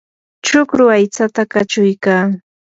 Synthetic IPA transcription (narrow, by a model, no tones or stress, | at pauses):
t͡ʃʊkɾʊajt͡sat̪akat͡ʃʊjkaː